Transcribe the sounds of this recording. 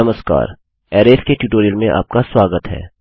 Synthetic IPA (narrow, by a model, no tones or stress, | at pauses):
ɐməska̰ːɾ | ɛːɾeːskeʈjuːʈoːɾijəlmẽʔa̰ːp̚kaswaːɡət̪ɦɛ̰ː